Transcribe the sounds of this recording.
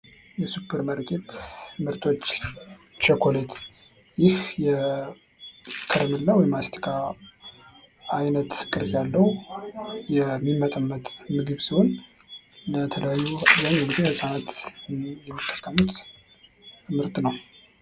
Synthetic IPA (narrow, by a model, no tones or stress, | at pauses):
jɛsupʰːəɾməɾk̪ʼet̪mɨɾt̪ʰʼo̞t͡ʃːt͡ʃʰekʰo̞let̪ʰ | jɪhjɛ | kʰɨɾəmɨlːawɔjɛmast̪ʰi̥kʰa | ajnət̪kʼɨɾzjalːəw | jɛmːimːət̪ʼəmːət̪mɨɡɨβsiwo̞n | lət̪ʰələjajːuzaɲːunɨd̪ihɨsʼanat̪jɛmːət̪ʼːəkʼːəmut̪ | mɨɾt̪ʼnəw